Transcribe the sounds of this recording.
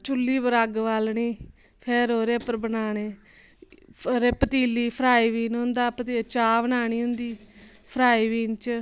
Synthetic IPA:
t͡ʃʊlːiːbəɾaɡʋaːlɳiː | pʰeɾoːɾeːpəɾbənaːɳeː | ɾeːpət̪iːliːpʰəɾaːiːʋiːnɦʊ̃nd̪aːpət̪it͡ʃaːʋənaːɳ̃iːɦʊnd̪iːpʰəɾaːiːʋiːnt͡ʃ

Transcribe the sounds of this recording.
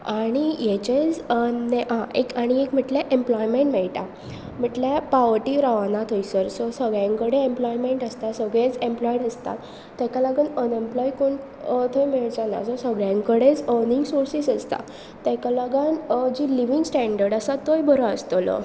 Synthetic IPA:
aɽ̃ijɛt͡ɕed͡zəneɦãʔekaɽ̃iekm̤iʈlaʔemplɔjmeɳʈmeɭʈa̰ | m̤iʈlapaʋəɾʈiɾaʋanat̪ʰojsəɾsɔsəɡɭjãŋkəɽeemplɔjmeɳʈəst̪asəɡɭẽt͡sẽmplɔiɽəst̪a̰t̪ː | akalaɡanənemplɔikon | t̪ʰojmeɭd͡zana̰d͡zɔsəɡɭjãŋkəɽet͡səniŋɡsoɾsisəst̪a̰ | t̪ːɛkalaɡand͡ʑiliʋiŋɡsʈæɳɖəɾɖəsat̪ojbʱəɾɔəst̪olɔ̰

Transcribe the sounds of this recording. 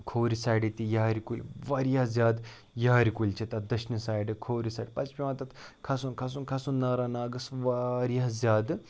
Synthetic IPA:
kʰoːɾisaːjɖit̪ijɐɦɐɾikulʲʋaːɾijazʲjaːd̪ | jɐɦɐɾikulʲt͡ʃʰit̪ɐd̪ɐʃnɨsaːjɖɨkʰoːɾisaːɖʲpɐt͡ʃpʲiʋɐ̃t̪ɐt̪kʰɐsunkʰɐsunkʰɐsunnːɐːɾaːnaːɡɨsʋaɾiɐzʲjaːd̪

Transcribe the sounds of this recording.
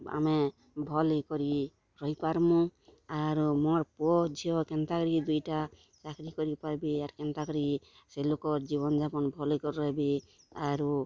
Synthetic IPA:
a̰me | bʱɔlikɔɾi | ɾɔɦipaɾmũaɾumɔɾpuɔd͡ʒʱiɔkɛnt̪akɔɾid̪ujʈa | t͡ʃakɾikɔɾipaɾbiaɾkɛnt̪akɔɾi | selokɔɾd͡ʒiβɔnd͡ʒapɔnbʱɔlikɔɾːɔɦebi | aɾu

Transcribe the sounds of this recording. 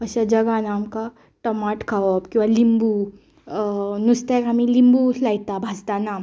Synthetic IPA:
əɕad͡ʒɐɡanaːmka | ʈəmaʈkʰaɔpkĩw̃ʋalimbu | nust̪akamĩlimbulait̪abʱad͡zt̪anaːm

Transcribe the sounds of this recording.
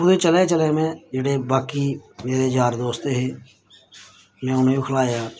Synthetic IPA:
ʊd̪ẽːt͡ʃəleːt͡ʃəleːmɛ̃ːd͡ʒeːɽeːbaːkiːmeːɾeːd͡ʒaːɾd̪oːst̪eːɦeː | mɛ̃ːʊnːkʰəlaːjaː

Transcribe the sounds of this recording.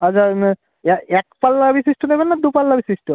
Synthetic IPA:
at͡ʃʰa | ɛɛkpalːabisisʈunebɛnːad̪upalːabisisʈu

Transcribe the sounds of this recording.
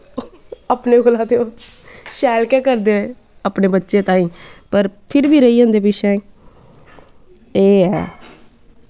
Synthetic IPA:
aːpneːkoːlãːt̪eoː | ʃɛːlkɛːkəɾd̪eːe | aːpneːbətːʃeːt̪ãːĩːpəɾpʰɪɾʋiːɾəiːãːnd̪eːpɪʃɛ̃ː | eːɛ̰ː

